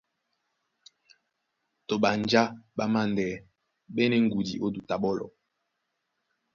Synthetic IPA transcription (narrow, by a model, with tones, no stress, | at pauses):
to˨ɓa˨nd͡ʒa˦ɓa˦ma˦˨ndɛ˨ | ɓɛ˦nɛ˦ŋ̩˦ɡu˨dḭ˨ʔo˦du˨ta˨ɓɔ˦lɔ̰˨